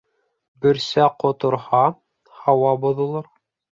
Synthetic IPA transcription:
bɵ̆ɾsæqŏt̪ŏɾhɑ | hɑwɑbŏðŏlˠɑɾ

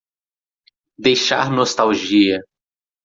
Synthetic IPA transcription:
d̪ejʃa̰ɾnost̪awʒiɐ

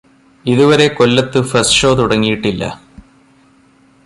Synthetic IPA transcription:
iðuʋɐɾe̞ko̞lːɐt̪ːɨfɐsʂo̞ːt̪uɽɐŋːijiʈːilːɐ̰

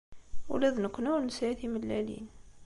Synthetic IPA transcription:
wṵlæðnəkʷːnuɾnsæθiməlːælḭn

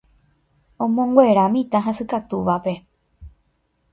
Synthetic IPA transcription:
õ̞mõŋɡwe̞ɾãmĩt̪aɦãsɨkat̪uʋape̞

